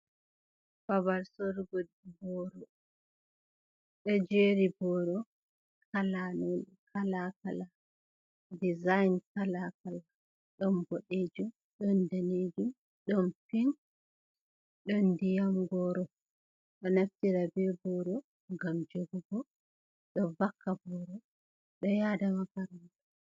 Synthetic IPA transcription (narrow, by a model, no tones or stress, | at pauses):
fabalsɔɾɡodibɔɾɔ | ɗɔd͡ʒeɾibɔɾɔ | kʰalano | kʰalakala | dizajnkalakala | ɗɔnboɗed͡ʒum | ɗɔndaned͡ʒum | ɗɔnfin | ɗɔndijamɡɔɾɔ | ɗɔnaftiɾabɛbɔɾɔ | ŋɡamd͡ʒoɡubɔ | ɗɔvakʰːabɔɾɔ | ɗɔjadamakaɾanta